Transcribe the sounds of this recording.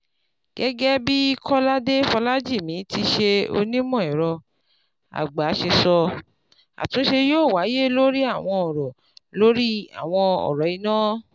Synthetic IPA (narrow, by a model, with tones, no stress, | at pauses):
ɡ̥ɛ˦ɡɛ˦bi˦i˧kʰɔ˦la˦de˦fɔ˧la˦d͡ʒi˦˨mĩ˨˦ti˧ʃe˧o̰˧nĩ˦mɔ̃˦˨ĩ˨ɾɔ˧ | a̰˨ɡ͡ba˨˦ʃe˧sɔ˧ | a̰˨tũ˨˦ʃe˧joː˦˨wa˨˦je˦lo˦ɾi˦a˦˨w̃ɔ̃˧ɔ˨ɾɔ˨ | lo˦ɾi˦a̰˦˨w̃ɔ̃˧ɔ̰˨ɾɔ˨i˨˧nãː˦